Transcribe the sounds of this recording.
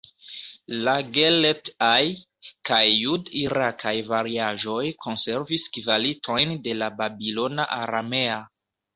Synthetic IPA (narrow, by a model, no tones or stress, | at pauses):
laɡeletaj | kajːudiɾakʰajvaɾiaʒo̞jkʰo̞nse̞ɾviskivalitʰo̞jnde̞lababilo̞naʔaɾa̰me̞a